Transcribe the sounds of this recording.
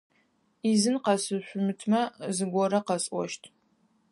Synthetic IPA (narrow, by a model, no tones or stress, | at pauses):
izɨnqɐsɨɕʷʊmɨtʰmɐzɨɡʷɔɾɐqɐsʼʷɔ̰ʃtʰ